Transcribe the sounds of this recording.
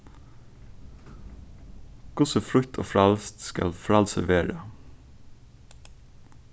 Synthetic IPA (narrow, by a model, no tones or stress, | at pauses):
kʰʊsəfɾʏkt̪ʰo̰ːfɾɑlst̪skɑ̰lfɾɑlsəʋeːɹə